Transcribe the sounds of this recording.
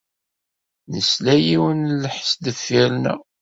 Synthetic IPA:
nəslæjiwənləħsd̪əfːiɾnæ̰

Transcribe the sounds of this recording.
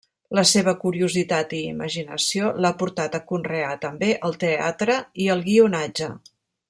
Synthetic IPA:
ləseβ̞əkuɾiuzit̪at̪ḭːmə̰ʒinə̰siolapuɾt̪at̪əkunreat̪əmbeʔəlˠt̪ea̰t̪ɾəiəlˠɣiunad͡ʒə

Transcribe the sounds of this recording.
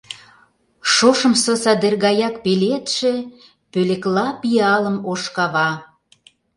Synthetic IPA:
ʃoʃə̆msosɑd̪erɣɑjɑk̚pelet̪ʃĕ | pøleklɑpiɑlə̆moʃkɑβɑ

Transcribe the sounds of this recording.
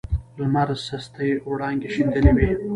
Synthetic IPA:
lmaɾsast̪əjowɽɑŋɡeʃind̪ənewe

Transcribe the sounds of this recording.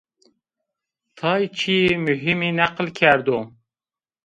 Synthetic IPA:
t̪ʰɑjt͡ʃʰimyɦiminæqəlkʲʰæɾd̪u

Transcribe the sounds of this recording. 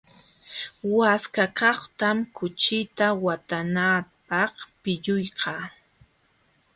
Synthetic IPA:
waskakɑχt̪amkʊt͡ʃɪt̪awat̪anapɑχpɪʎʊjqɑː

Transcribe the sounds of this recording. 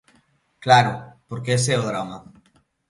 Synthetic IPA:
klaɾʊpoɾkeesɛoðɾama

